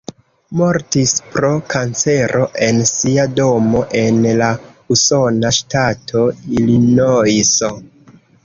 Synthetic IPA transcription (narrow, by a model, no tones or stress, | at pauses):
moɾtispɾo̞kant͡se̞ɾʔo̞ʔe̞nsiado̞mo̞ʔe̞nlauso̞naʃtatʰo̞ilinojso